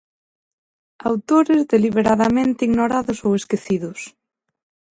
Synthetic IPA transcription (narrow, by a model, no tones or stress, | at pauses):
awt̪oɾezðeliβ̞eɾaðamẽnt̪ɪiɣnoɾaðʊsoweskeθiðʊs